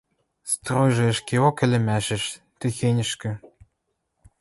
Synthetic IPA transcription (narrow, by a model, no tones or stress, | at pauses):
st̪rojʒĕɘ̆ʃkʲeokɘ̆lʲɘ̆mæʃɘ̆ʃ | t̪ɘ̆xenʲɘ̆ʃkɘ̆